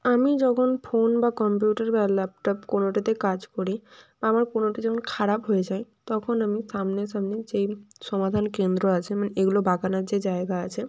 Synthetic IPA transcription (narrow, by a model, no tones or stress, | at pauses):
amid͡ʑɔkʰonfʰonbakɔmpjuʈaɾbɛlap̚ʈɔpkonoʈat̪ekad͡ʑkoɾibaamaɾkonoʈid͡ʑɔkʰonkʰaɾapɦojed͡ʑajt̪ɔkʰonamiʃamneʃamned͡ʑeʃɔmad̪ʱankend̪ɾoat͡ɕʰemaneʔeɡulobʱakanaɾd͡ʑed͡ʑaeɡaat͡ɕʰe